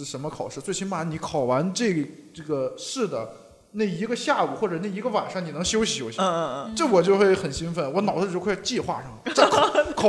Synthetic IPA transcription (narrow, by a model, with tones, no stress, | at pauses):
ʂə˧˥nmə˧kʰɑ˨˩ʊʂɻ̩˥˧t͡swe˥˩ɪt͡ɕʰi˥ba˧˩ni˧˥kʰɑ˨˩ʊwa˧˥nʈ͡ʂɤ˥˩ʈ͡ʂɤ˥˩ɡə˩ʂɻ̩˥˩d̪ə˩ | ne˥˩ɪi˧˥ɡə˧ɕja˥˩u˨˩xwɔ˥˩ʈ͡ʂɤ˨˩ne˥˩ɪi˧˥ɡə˧wa˨˩nʂɑ˥˩ŋni˨˩˧ŋɕjo˥ʊɕi˨˩jo˥ʊɕʈ͡ʂɤ˥˩wɔ˨˩t͡ɕjo˥˧ʊxwe˥˩ɪxə˨˩nɕi˥ŋfə˧˩nwɔ˧˥nɑ˨˩ʊd̪ə˧jo˥˧˥t͡ɕi˥˧xwa̰˥˩ʂə˨˩ŋmə˩t͡sa˥˩kʰɑ˨˩